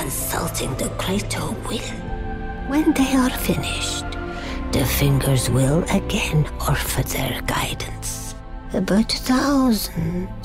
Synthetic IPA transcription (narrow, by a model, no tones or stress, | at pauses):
kʰə̃nsʌ̰lˠtʰɪ̃ŋðɨkʰɹ̥eɪtʰowɪl | wɛ̃nðeɪəɹfɪnɪʃt | ðɨfɪ̃ŋɡə˞zwɪlˠəɡɛ̃nɔɹfə˞ðə̰ɹɡa̰ɪdⁿn̩s | əbaʊtʰθaʊzə̃n̩